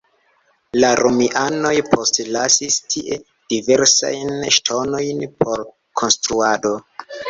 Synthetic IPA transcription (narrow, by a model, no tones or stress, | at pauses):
laɾomiʔano̞jpʰo̞stlasistʰiʔe̞ | d̥ive̞ɾsa̰jnʃtʰo̞no̞jnpʰo̞ɾ | kʰo̞nstɾuado̞